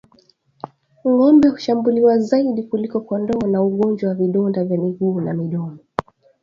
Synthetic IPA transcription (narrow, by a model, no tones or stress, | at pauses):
ŋɔmbɛhu̥ʃambuliwazaiɗikulikɔkɔndɔːnauɠɔnd͡ʒwawaviɗɔndavjamiɡuːnamiɗɔmɔ